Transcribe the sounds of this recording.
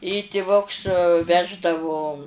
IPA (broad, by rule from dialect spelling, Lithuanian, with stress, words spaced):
ɪ tʲɪˈʋʊks ˈʋʲæːʒdɐʋʊ